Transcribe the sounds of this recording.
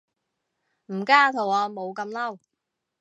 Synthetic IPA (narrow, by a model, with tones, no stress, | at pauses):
m̩˨˩kaː˥t̪ʰo˨˩wɔː˨˧mo˨˧wkɐ˧mlɐ˥˩w